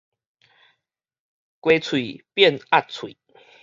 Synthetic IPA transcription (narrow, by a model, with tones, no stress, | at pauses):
kwe˨˦t͡sʰwi˨˩pjɛ˥˨na˥˨t̚t͡sʰwḭ˨˩˦